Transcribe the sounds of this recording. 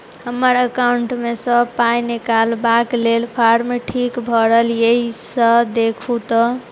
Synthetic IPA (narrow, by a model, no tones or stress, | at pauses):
həməɾəkawuɳʈmesə̃pajnekalbaklelpʰaɾmeʈʰikbʱʌɾəɦljəisəd̪ekʰut̪ɔ